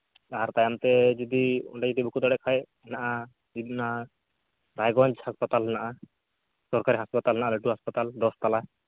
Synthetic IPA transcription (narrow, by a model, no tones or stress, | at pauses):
aɾt̪ajamt̪ɛd͡ʒid̪iṵɳʈad͡ʒid̪ibʱukut̪ɔɽɛkʰaj | naʔa | id̪na | ɾajɡɔɲd͡ʒhaspat̪alnaʔa | sɔɾkaɾiɦaspat̪alnaʔaleʈuɦaspat̪ald̪ɔst̪ala